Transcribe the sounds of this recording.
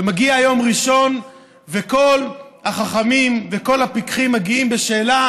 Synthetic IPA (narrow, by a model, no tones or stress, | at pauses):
emaɡiajo̞mʁiʃo̞n | veko̞lhaχaχamimveko̞lapikχimːaɡiimbeʃe̞ːla